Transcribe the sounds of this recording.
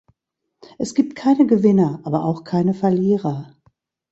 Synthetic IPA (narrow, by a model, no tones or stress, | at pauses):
ʔɛsɡ̥iːp̚t̚kʰaɪnəɡəvɪnɐʔaːbɐʔaʊxkʰaɪnəfɛɐliːʁɐ